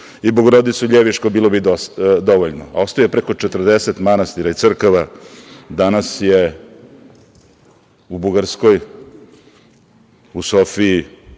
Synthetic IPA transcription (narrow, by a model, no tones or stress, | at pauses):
iboɡoɾod̪it̪suʎeʋiʃkobiːlˠo̞bid̪oʋoʎno̰a̰o̞st̪ojepɾeko̞t͡ʂet̪r̩d̪eset̪manast̪iɾait̪sr̩koʋad̪anasje | ubuɡaɾsko̞j | usofii